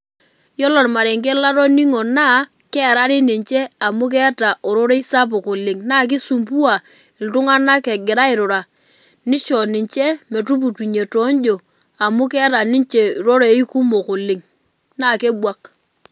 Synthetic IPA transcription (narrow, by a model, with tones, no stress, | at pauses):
jɔ˦lɔ˨ɾma˨ɾe˨ŋk̬e˦la˦ɾo˦ni˦ŋo˨na˦˨ | kɛ˦˨ɾa˦ɾɪ˦ni˨ɲt͡ʃe˦a˨mu˦k̬ɛ˦ta˨ʔo˨ɾo˦ɾe˦i˦sa˦p̬o˨ko˨lɪ˨ŋna˦˨k̬ɪ˦su˨mp̬u˦a˨ | ɪ˨ltʊ˦ŋa˦na˦kɛ˨ɡɪ˨ɾa˦ɪ˨ɾʊ˨ɾa˨ | nɪ˦t͡ʃɔ˨nɪ˨ɲt͡ʃe˦me˨tu˦p̬u˨ti˨ɲe˨to˨˦n˦d͡ʒo˨ | a˨mʊ˦kɛ˦ta˨ni˦nt͡ʃe˨ɾo˦ɾe˨˦i˦ku˦mo˨ko˨lɪ˨ŋ | na˦˨ke˦bwa˦k